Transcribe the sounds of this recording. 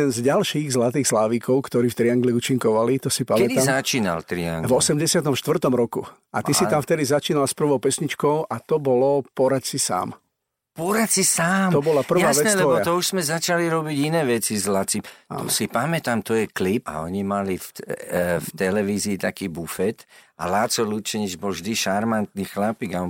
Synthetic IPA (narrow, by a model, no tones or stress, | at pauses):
d̪ɛnzɟalʃiːɣzlat̪iːxslaːʋiːkɔʊkt̪ɔɾiːft̪ɾiaŋɡliut͡ʃiŋkɔʋalit̪ɔsipaɛiaːmzat͡ʃiːna̰lt̪ɾia̰ŋɡvɔsɛmɟɛsɪat̪ɔmʃt̪ʋr̩t̪ɔmɾɔkṵ | ʔat̪isiamft̪ɛd̪izat͡ʃiːnalspr̩ʋɔʊpɛsɲit͡ʃkɔʊʔat̪ɔbɔlɔpɔɾacsisa̰ːm | pɔɾatsisaːmt̪ɔbɔlapr̩ʋaʋɛnɛlɛɔɔat̪ɔuʃz̥mɛzat͡ʃaliɾɔbiɟinɛːʋɛt͡sizlat͡sia̰ɔsipamɛt̪amt̪ɔjɛklipa̰ɔɲimalif | ft̪ɛlɛʋiːziːt̪akiːbufɛt̪ | a̰laːt͡sɔlut͡ʃɛɲid͡ʒbɔlʒd̪iʃaɾmant̪nixlapiːɡa